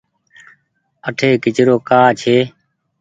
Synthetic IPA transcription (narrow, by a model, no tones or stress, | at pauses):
əʈʰeːkɪt͡ʃɾoːkaːt͡ʃʰeː